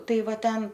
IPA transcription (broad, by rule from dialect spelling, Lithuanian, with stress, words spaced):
ˈtɐɪ ˈʋɐ ˈtʲɛn